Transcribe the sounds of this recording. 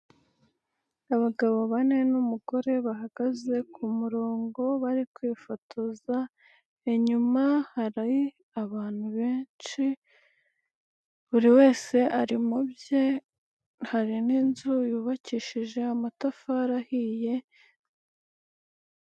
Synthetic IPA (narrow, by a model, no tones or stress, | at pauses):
aβaɡaβo̞βane̞numuɡ̥o̞ɾe̞βaɦaɡ̥aze̞kʰumuɾo̞ːŋɡo̞βaɾikwiːfotʰoza | eɲumahaɾaji | aβaːn̥huβe̞ːnt͡ʃi | βuɾiwe̞ːse̞ʔaɾimubje | haɾininzujuːβaciːʃiʒe̞amatafaɾahiːje̞